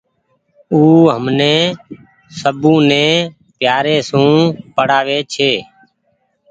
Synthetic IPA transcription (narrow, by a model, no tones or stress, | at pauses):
uːɦəmneː | səbũːnẽː | pjaːɾeːsũːpəɽ̤aːʋeːt͡ʃʰeː